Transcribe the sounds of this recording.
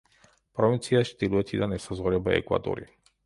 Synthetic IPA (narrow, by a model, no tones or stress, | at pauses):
pɾɔvint̪sijaʃt̪iluɛt̪ʰid̪anɛsazɔɾɛbaɛ̰kva̰d̪ɔ̰ɾḭ